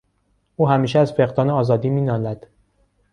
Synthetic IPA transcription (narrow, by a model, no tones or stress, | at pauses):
ʔuːhæmiːʃɛæzfe̞ɣd̪ɒːneɒːzɒːd̪iːmiːnɒːnæd̪̥